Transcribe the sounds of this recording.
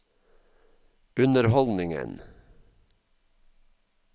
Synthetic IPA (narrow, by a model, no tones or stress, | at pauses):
ʉnəɾhɔld̪nɪŋə̰n